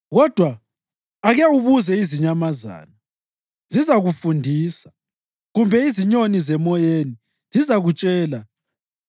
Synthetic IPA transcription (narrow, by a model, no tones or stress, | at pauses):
ɣɔd̥ʱwaː | ɣɛuβuzɛiziɲamaza̰ːna | zizaɣufundʱiːsḁ | ɣumbʱɛiziɲonizɛmɔjeni | zizaɣut͡ʃʼɛːla